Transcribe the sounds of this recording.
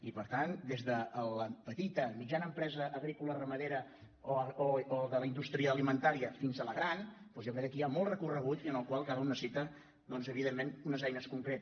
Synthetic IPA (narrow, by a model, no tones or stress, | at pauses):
ipəɾt̪and̪ezðəːləpət̪it̪əmid͡ʒanəmpɾɛzəʔːɣɾikulərəməðeɾə | ooolˠd̪ələind̪ust̪ɾiəːlimənt̪aɾiəfinzələɣɾanpɔzjokɾɛk̚ːəkiamɔlˠt̪rəkurəɣ̞ut̪iənəlˠkwalˠkaɾunːəsit̪ə | d̪ɔnzəβiðemːenunəzɛjnəskuŋkɾet̪ə